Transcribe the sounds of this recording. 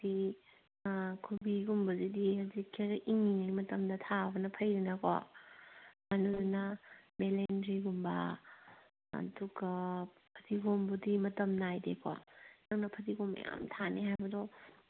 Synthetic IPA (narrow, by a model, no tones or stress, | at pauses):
di | kʰubiɡumbɐzidihɐzikʰːeɾɐʔiŋːinɐjmɐtɐmdɐtʰabɐnɐpʰɐjɾinɐkwa̰ | mɐnunɐmelendɾiɡumbɐ | ɐ̰duɡa | pʰɐtʰiɡombudimɐtɐmnajdekʰwa̰naŋnɐpʰɐtiɡomɐ̰ja̰mtʰaneɦajbɐdɔ